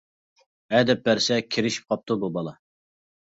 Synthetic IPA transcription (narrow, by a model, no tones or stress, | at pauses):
ɛd̪ɛp̚bæɾsɛkʲʰiɾɪʃi̥p̚qʰɑp̚t̪ububɑlˠɑ